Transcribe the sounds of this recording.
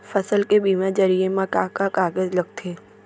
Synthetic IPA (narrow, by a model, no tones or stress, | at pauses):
fəsəlkebiːmãd͡ʒɐɾiemãkaːkakaːɡəzlɐɡ̚t̪ʰeː